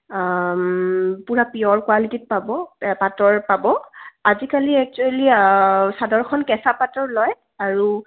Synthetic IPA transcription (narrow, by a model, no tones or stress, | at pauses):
puɹapiɔɹkwalitit̚pabɔpatɔɹpabɔazikaliɛk̚t͡ʃualisadɔɹkʰɔnkɛsapatɔɹlɔj | aɹu